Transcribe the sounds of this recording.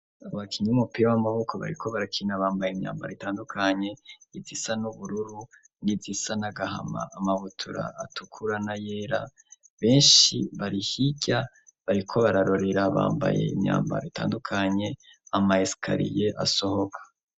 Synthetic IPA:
aβakʰiɲiumupiɾawamaβo̞kʰoβa̰ɾḭkʰo̞βaɾakʰinaβaːmbajeimɲa̰ːmba̰ɾitaːndukʰaɲe̞izisanuβuɾuɾu | ŋizisanaɡaɦa̰ma̰ʔːmaβutʰuɾa̰ːtukʰuɾanajeːɾa̰ | βe̞ːnʃiβaɾihiɟa | βaɾikʰo̞βaɾaɾo̞ɾe̞ɾaβa̰ːmba̰je̞̰ḭmɲa̰ːmba̰ɾitʰa̰ːndukʰaɲe̞ | amaesi̥kʰa̰ɾḭje̞ʔa̰so̞ho̞kʰḁ

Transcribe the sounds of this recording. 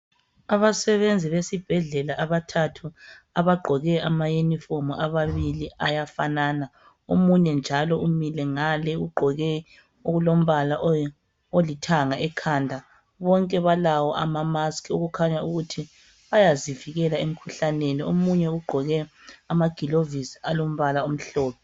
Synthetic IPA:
aβasɛβend͡zʱiβesib̥ʱɛɮɛlaʔaβatʰatʰu | aβaɡ͡ǃʱɔɣɛamajunifomɔʔaβaβiliajafanaːna | omuɲɛnd͡ʒʱalɔumilɛŋalɛuɡ͡ǃʱɔɣɛ | oɣulom̩βalaʔ | olitʰaŋaʔɛkʰaːndʱa | βɔŋkʼɛβalawɔʔa̰mamaskʰioɣukʰaɲauɣutʰi | βajaziviɣɛlaem̩kʰuɬaneniomuɲɛuɡ͡ǃʱɔɣɛamaɡ̥ʱilovisalom̩βalaom̩ɬɔːpʰɛ

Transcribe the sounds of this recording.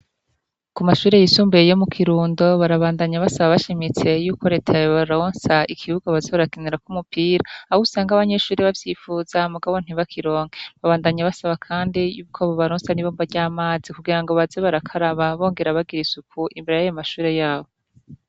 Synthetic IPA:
kumaʃuːɾe̞jisuːmbujejomukʰiɾuːndo̞βaɾaβaːndaɲaβasaβaβaʃimit͡se̞juːko̞ɾe̞ːtʰajoβaɾoːnsaikʰiβuɡaβazeβaɾakineɾakumupʰiːɾaːhusaːŋɡaβaɲe̞ʃuːɾiβavjifuːzamuɡaβon̥iβakʰiɾo̞ːŋɡeβaβaːndaɲaβasaβakʰaːndijuːkʰoβoβaɾoːnsaniβombaɾɟaːmaːzikuɡiɾaŋɡo̞βazeβaɾakʰaɾaβaβo̞ːŋɡe̞ɾaβaɡiɾisukʰuʔimbeɾejajomaʃuːɾe̞jaːβo

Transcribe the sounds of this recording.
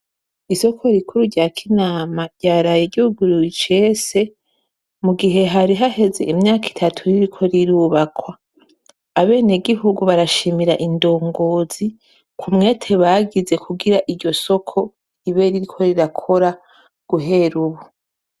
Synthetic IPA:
iso̞kʰo̞ɾikuɾuɾɟaːkʰinaːmaɾɟ̥aːɾajeɟihuɡuɾiit͡ʃe̞se̞ | muɡiɦe̞ɦaɾiɦahe̞ze̞̰ʔimɲaːki̥tʰatʰuɾiɾikʰo̞ɾiɾuːβakwaː | βe̞ːneɡiɦuɡuβaɾaʃimiɾaʔindo̞ːŋɡo̞ːz̥i | kʰumŋe̞ːtʰeβaɡize̞kʰuɡiɾaʔiɾɟo̞so̞kʰo̞ | iβe̞ɾiɾikʰo̞ɾiɾakʰo̞ɾa | ɡ̥uɦe̞ɾuβu

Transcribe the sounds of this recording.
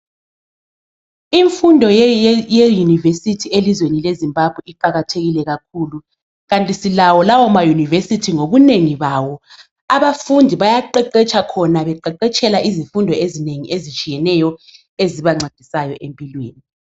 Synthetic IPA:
iɱfundʱɔjejunivesitʰielizwenilezimbʱab̥ʱwɛiǃaɣatʰeɣilɛɣakʰuːlu | ɣantʼisilawɔlawɔmajunivesitʰiŋoβuneŋiβawɔ | aβafundʱiβajaǃɛǃɛt͡ʃʰʼakʰɔnaβɛǃɛǃɛt͡ʃʼɛlaʔizifundʱɔezineŋiʔezit͡ʃʼijɛnɛjɔ | eziβaŋ͡ǀad̥ʱisajɔʔempʼilwḭːni

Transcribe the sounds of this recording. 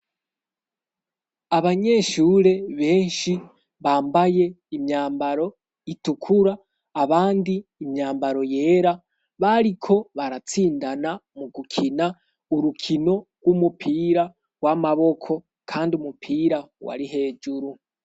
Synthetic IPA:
aβaɲe̞ːʃuːɾe̞βe̞ːnʃi | βaːmbaje̞ | imɲaːmbaɾo̞ | itukʰuɾaː | βaːndiːmɲaːmbaɾo̞je̞ːɾa | βaɾikʰo̞βaɾat͡siːndanamuɡukʰina | uɾukʰino̞ɡwumupʰiːɾa | ɡwamaβo̞kʰo̞ | kʰaːndiumupʰiːɾawa̰ɾiɦe̞ːd͡ʒuɾu

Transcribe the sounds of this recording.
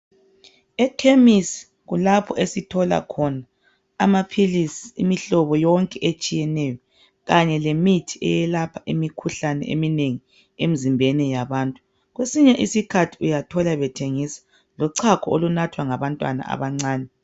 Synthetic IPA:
ɛkʰemisi̥ | ɣulapʰɔʔesitʰɔla̰kʰɔnaː | mapʰilisi̥ːmiɬɔβɔjɔŋkʼɛʔet͡ʃʼijɛnɛjɔ | ɣaɲɛlemitʰiɛ̰jɛlapʰaʔimikʰuɬanɛ̰ʔḛmineŋi | em̩zimbʱɛnɛjaβaːntʼu | ɣwesiɲɛʔisikʰatʰi̥ujatʰɔlaβɛtʰeŋiːsḁ | lɔǀʰakʰɔolunatʰwaŋaβantʼwa̰na̰ʔa̰βaŋ͡ǀaːnɛ

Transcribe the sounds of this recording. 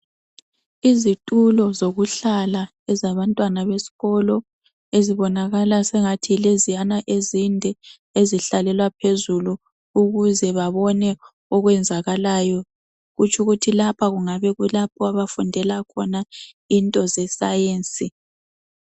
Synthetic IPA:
izitʼulɔzoɣuɬala | ɛzaβantʼwanaβesi̥ɣɔlɔ | eziβɔnaɣalasɛŋatʰilezijanaʔezindʱɛ | eziɬalɛlwapʰezulu | uɣuzɛβaβɔnɛ | ɔɣwɛnd͡zʱaɣalajɔ | ɣut͡ʃʰʼuɣutʰilapʰaɣuŋaβɛɣulap̚ʰɔaβafundʱɛlakʰɔna | intʼɔzɛsajeːnsʼi

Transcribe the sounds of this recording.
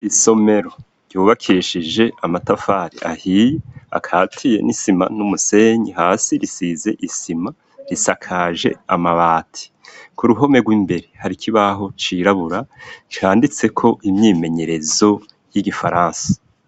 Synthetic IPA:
iso̞me̞ɾo̞ | ɾ̥juːβakʰiʃid͡ʒe̞amatafaːɾḭʔa̰hijea̰kʰatʰije̞̰nisima̰numuse̞ɲihaːsiɾisize̞̰ʔisima | ɾisakʰaʒe̞̰amaβaːtʰi̥ | kuɾuɦo̞me̞ɡwiːmbe̞ɾehaɾikʰiβaɦo̞t͡ʃiɾaβuɾat͡ʃhaːndit͡se̞kʰo̞ʔimɲiːme̞ɲe̞ɾe̞zo̞ | jiɡifaɾaːnsḁ

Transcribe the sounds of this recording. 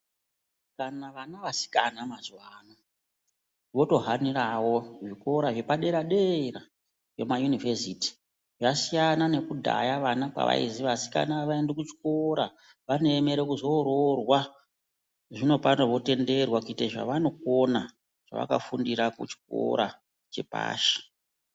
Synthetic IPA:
kanaʋanaʋasi̥ka̰namazwaːno | ʋo̞to̞ɦaniɾawo̞ʐiko̞ɾaʐe̞paɗe̞ɾaɗeira | re̞majunivesiti̥ | ʐasijanane̞kudʱa̰jaʋanakwa̰ʋa̰ḭziʋasi̥ka̰naʋaendekut͡ʃi̥ko̞ɾa | ʋane̞ːme̞ɾekuzo̞ɾorwa | ʐino̞paoʋo̞te̞nde̞rwakuiteʐa̰ʋano̞ko̞na | ʐ̥a̰ʋa̰ka̰fundiɾakṵt͡ʃi̥ko̞̰ɾa | t͡ʃe̞pa̰ːʃe̥

